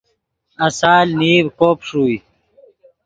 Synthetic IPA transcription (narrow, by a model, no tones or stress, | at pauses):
ɐsaːlniːbkoːpʂuːi